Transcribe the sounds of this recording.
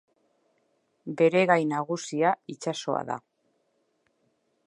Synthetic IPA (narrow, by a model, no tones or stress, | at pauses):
be̞ɾe̞ɣajnaɣ̞usiait͡ʃaso̞a̰ða̰